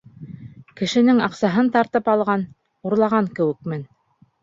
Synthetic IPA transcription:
kɘ̆ʃɘ̆nɘŋɑqsɑɦɤnt̪ɑɾt̪ɤpɑlˠʁɑn | uɾlˠɑʁɑŋkɘ̆wɘ̆kmɘn

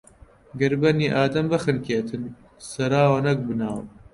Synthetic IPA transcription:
ɡɐɾbɐniːʔaːd̪ɐmbɐxɨnkʰeːt̪ʰɨn | sɐɾaːwɐnɐk̚bɨnaːw

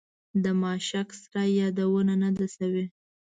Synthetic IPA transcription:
d̪əmɑʃaksɾajɑd̪awənanad̪asawe

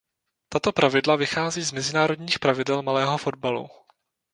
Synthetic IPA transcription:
t̪at̪o̞pɾʔavɪdlavɪxaːziːzmɛzɪnaːɾo̞dɲiːxpɾavɪdɛlmalɛːɦo̞fo̞d̚balṵ

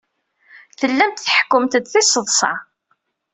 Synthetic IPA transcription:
θəlːæmt̪θəħə̥kːəmt̪əd̪θisˤəðˤsˤɑ̰

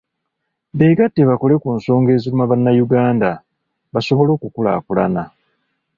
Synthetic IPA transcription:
beɡatːeβako̞le̞kunso̞ːŋɡe̞ːzulimaβanːajuɡaːnda | βaso̞βo̞lo̞ːkukula̰ːkulana

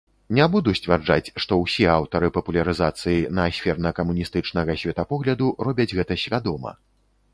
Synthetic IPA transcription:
nʲɛbud̪usʲt͡sʲvʲard͡ʐa̰t͡sʲʂt̪ɔwsʲiawt̪ɐɾɨpɐpulʲɐɾɨzat̪sɨjinɐːsʲfʲɛrnɐkɐmunʲist̪ɨt͡ʂnɐɣɐsʲvʲɛt̪ɐpɔɣlʲɐd̪urɔbʲɐd͡zʲɣɛt̪ɐsʲvʲad̪ɔmɐ̰

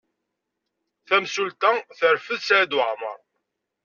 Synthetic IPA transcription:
θæmsult̪æθəɾfəðsad̪wəʕmə̰ɾˤ

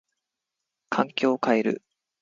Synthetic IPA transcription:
kʰãŋkʲo̞ːkaeɾɯ̟̰

